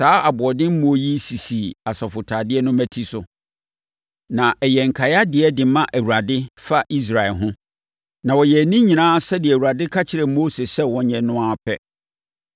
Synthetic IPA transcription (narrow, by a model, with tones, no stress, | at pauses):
saː˨˦a˨bʊ˨ɔ˨dɪ̃˦m̩˦mũ˨ɔ˨ji˦si˨si˨a˨sɔ˨fʊ˨tʰa˨dɪ˦ɛ˦nʊ̃˦mæ˨tʰi˦sʊ˨ | nã˨ʔɛ˨jɛ˨ŋ̩˨kʰa˨ja˦dɪ˨ɛ˦dɪ˨˦mã˦ʔæ˨wu˨ɾa˨dɪ˦fa˦ʔi˦s̬ɾa˨ɛ˨ɦʊ̃˦ | nã˨wɔ˨jɛ˨æ˨nĩ˦ɲĩ˨nãː˦sɛ˦dɪ˨ɛæ˨wu˨ɾa˨dɪ˦kʰa˦t͡ɕʰɪ˨ɾɛ˨mo˦se˨sɛ˦wɔ̃˨ɲɛ̃˨nʊ̃˦a˦pʰɛ˦